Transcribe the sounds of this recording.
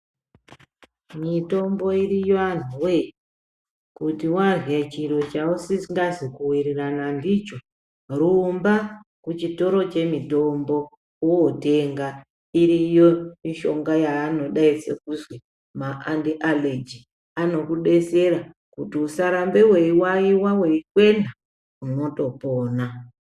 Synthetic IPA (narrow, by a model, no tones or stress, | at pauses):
mito̞mbo̞irijan̤uwe̞ | kutiwarat͡ʃiɾo̞t͡ʃausiŋɡazikuwiɾiranandit͡ʃo̞ | rumbakut͡ʃito̞ɾo̞t͡ʃe̞mito̞mbo̞ | oote̞ŋɡa | iɾijo̞iʃo̞ŋɡajaːno̞ɗaise̞kuzwe | maʔandiʔaled͡ʒi | ano̞kuɗe̞se̞ɾa | kutiusaɾambewe̞iwaiwaweikwe̞nda | uno̞to̞poːna